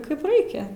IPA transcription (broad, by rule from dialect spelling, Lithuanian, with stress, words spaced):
ˈkɐɪp ˈrɐɪkʲɛ